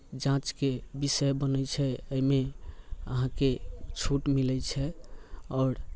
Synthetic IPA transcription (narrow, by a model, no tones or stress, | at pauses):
d͡ʒãt͡ʃkebisəjbənət͡ʃʰɛəjmeə̰ɦãket͡ʃʰuʈmilɛt͡ʃʰɛɔːɾ